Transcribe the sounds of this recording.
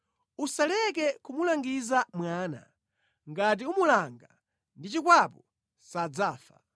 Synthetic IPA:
usalɛkɛkumulaŋɡizamwaːna̰ | ŋɡat̬iumulaŋɡa | ndit͡ʃikwapɔ | sad͡zaːfa̰

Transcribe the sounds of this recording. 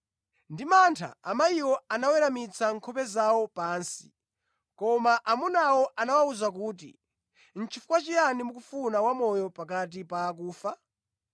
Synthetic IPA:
ndimantʰa̰amaiwɔanawɛɾamit͡sʰaŋkʰɔpɛzawɔpaːnsi̥̰ | kɔmaʔamunawɔʔanawauzak̬uːt̬ḭ | n̩t͡ʃʰifukwat͡ʃijanimukufunawamɔjɔpakat̬ipaːk̬uːfa

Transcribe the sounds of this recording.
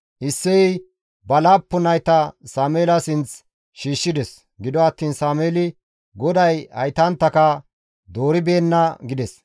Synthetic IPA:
ʔɪsːɛ | bɐlaːpːʊnɐjt̪ɐsaːmeːlɐsɪnt͡s | ʃiːʃːɪd̪ɛs | ɡɪd̪ɔɐt̪ːiːnsaːmeːlɪ | ɡɔd̪ɐjɐ̰jt̪ɐnt̪ːɐkɐ | d̪oːɾɪbeːnːɐɡɪd̪ɛs

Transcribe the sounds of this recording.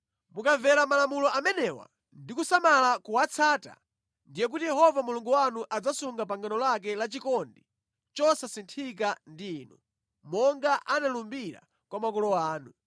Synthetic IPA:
mukavɛɾamalamulɔamɛnɛwa̰ | ndikusamalakuwat͡sʰaːta̰ | ndijɛk̬utijɛɦɔvamuluŋɡuwanuʔad͡zasuŋɡapaŋɡanɔlak̬ɛlat͡ʃikɔndi | t͡ʃɔsasintʰik̬andiːnu | mɔŋɡaʔanalumbiɾa̰ | kwamakɔlɔaːnu

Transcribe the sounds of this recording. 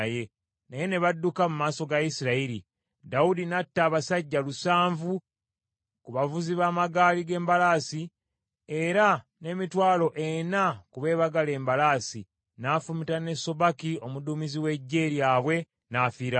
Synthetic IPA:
je̞ | naje̞ne̞βadːukamumaːso̞ɡaisiɾaiɾi | daudinatːaːβasaɟːalusaːɱvu | kuβavuziβaːmaɡaːliɡe̞ːmbalaːsi | e̞ɾa | ne̞mitwaːlo̞ʔe̞nakuβe̞ːβaɡale̞ːmbalaːsi | nafumitane̞so̞βakio̞muduːmiziwe̞ɟːe̞ːɾjaːβwe̞ | nafiɾa

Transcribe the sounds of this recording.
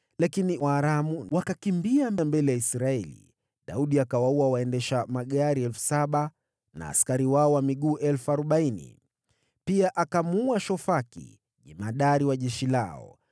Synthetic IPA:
lakiniwaːɾamuwakakimbiamɛmbɛlɛjaisɾaɛlḭ | ɗauɗiakawauawaɛndɛʃamaɠaɾiɛlfu̥saɓa | na̰ːskaɾiwaɔwamiɠuːʔɛlfuaɾuɓainḭ | piaʔakamuaʃɔfakḭ | ʄimaɗaɾiwaʄɛʃilaɔ̰

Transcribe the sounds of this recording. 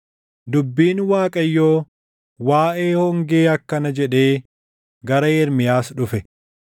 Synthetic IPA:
d̪ʊbːiːnwaːkʼɐjːoː | waːʔeːhɔŋɡeːɐkːɐnɐd͡ʒɛᶑe̞ː | ɡɐɾɐɛɾmɪjaːsᶑʊfɛ

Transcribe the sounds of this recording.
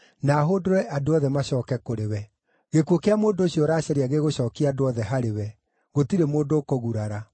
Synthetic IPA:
naːɦodoɾɛʔadoɔðɛmaɕɔːkɛkoɾewɛ | ɣekuokeamoːndoːɕjoɾaːɕɛɾeaɣeɣoɕɔːkiadoɔðɛɦaɾewɛ | ɣotiɾemoːndoːkoɣuɾaɾa

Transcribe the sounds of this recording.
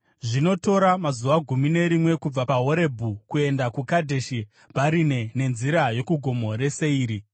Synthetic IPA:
ʐino̞to̞ɾamazuʋaɡʱumine̞ɾimwe̞kub͡vapaɦo̞ɾe̞bʱukue̞ndakukadʱe̞ʃi | baɾine̞ne̞nziɾajo̞kuɡʱo̞mo̞ɾe̞se̞iːɾi

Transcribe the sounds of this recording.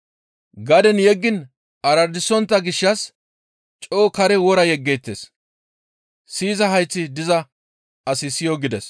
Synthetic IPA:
ɡɐd̪ɛnjɛɡːɪn | ɐɾɐɾd̪ɪsɔnt̪ːɐɡɪʃːɐs | t͡ʃʼoːkɐɾɛwɔɾɐjɛɡːeːt̪ːes | siːzɐɦɐjt͡sːɪd̪ɪzɐ | ɐsɪsɪjoɡɪd̪ɛs

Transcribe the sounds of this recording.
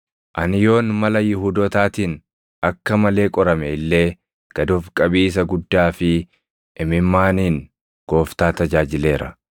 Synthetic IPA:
ʔɐnjo̞ːnmɐlɐjʊɦuːd̪ɔt̪aːt̪iːn | ʔɐkːɐmɐle̞ːkʼɔɾɐmɛɪlːeː | ɡ̥ɐd̪ofkʼɐbiːs̬ɐɡʊd̪ːaːfɪ | ʔɪmɪmːaːniːn | ɡ̥o̞ːft̪aːt̪ɐd͡ʒaːd͡ʒɪle̞ːɾɐ̰

